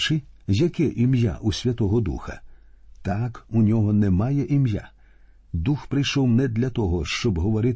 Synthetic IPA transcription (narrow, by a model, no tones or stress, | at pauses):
t͡ʃɪjɐkɛʔimja̰ʔusʲʋʲɐt̪ɔɦɔd̪ṵxɐt̪akunʲɔɦɔnɛmɑjɛʔimja̰ | d̪uxpɾɪjʃɔwnɛd̪lʲɐt̪ɔɦɔʃt͡ʃɔbɦɔʋɔɾɪt̪